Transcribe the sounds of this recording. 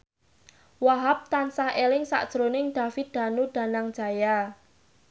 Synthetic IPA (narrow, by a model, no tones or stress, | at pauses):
waɦap̚t̪ansahelɪŋsa̰ʔd̥ʒ̥ɾonɪŋɖ̪̥a̤fɪt̪̚d̥̪a̤nuɖ̥a̤naŋd̥ʒ̥a̤ja